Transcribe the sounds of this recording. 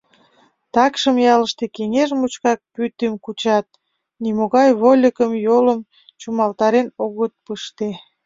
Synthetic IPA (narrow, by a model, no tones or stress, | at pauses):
t̪ɑkʃəmjɑləʃt̪ekeŋeʒmut͡ɕkɑk̚pyt̪emkut͡ɕɑt̪̚ | nimoɣɑjβolʲəkəmjoləm | t͡ɕumɑlt̪ɑɾenoɣət̪̚pəʃt̪e